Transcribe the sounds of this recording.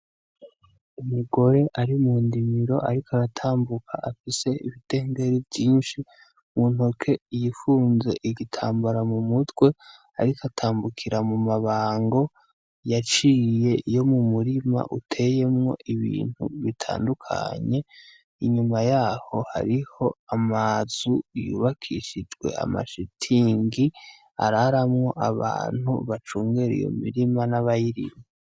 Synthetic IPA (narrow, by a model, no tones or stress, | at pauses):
umiɡo̞ɾe̞ʔaɾimuːndimiɾo̞̰ʔaɾikaɾatʰaːmbukʰa̰ʔafise̞ʔiβite̞ːŋɡe̞ɾivɟiːnʃi | muːn̥ho̞kʰe̞jifuːnze̞̰ʔiɡitʰaːmbaɾamumutwe̞ | a̰ɾikatʰaːmbukʰiɾamumaβaːŋɡo̞ | jat͡ʃiːje̞jo̞mumuɾima̰ʔutʰe̞je̞mŋo̞̰ʔiβḭːn̥hṵβitʰa̰ːndukʰa̰ɲe̞ | iɲumajaːho̞ha̰ɾiho̞amazujṵːβakʰiʃid͡ʒɡwe̞̰a̰ma̰ʃitʰiːŋɡi | a̰ɾaɾamŋo̞ʔaβa̰ːn̥hṵβat͡ʃuːŋɡeɾḭjo̞̰mḭɾimanaβajiɾḭme